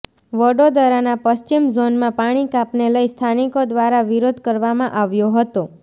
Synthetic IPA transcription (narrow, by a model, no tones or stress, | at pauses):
ʋəɖod̪əɾanapəst͡ʃimzonmãpaɽ̃ikapneləist̪ʰanikod̪ʋaɾaʋiɾod̪ʱkəɾʋamãʔaʋjoɦət̪o